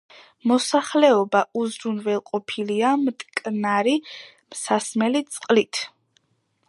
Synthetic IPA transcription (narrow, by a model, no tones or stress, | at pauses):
mɔsaχlɛɔbauzɾunvɛlˠqʼɔpʰiliamt̪ʼkʼnaɾi | msasmɛlit̪sʼqʼlit̪ʰ